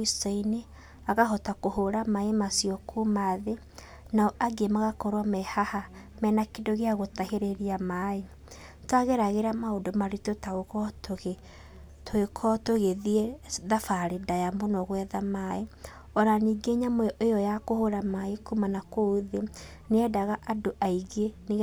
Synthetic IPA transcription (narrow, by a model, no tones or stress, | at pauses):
isaine | aɣaɦɔtakohoɾamaemasiɔkʰumaðe | naʔaɡemaɣakɔɾwamɛhaha | mɛnakendoɣeaɣotaheɾeɾiamae | twaɣeɾaɣeɾamaodomaɾitotaɣokɔtoɣe | toekʰɔtoɣeðiɛðafaɾedajamonɔɣwɛðamae | ɔɾaniːɡeɲamoejɔjakohoɾamaekumanakouðe | neɛdaɣaʔadoʔaiɣene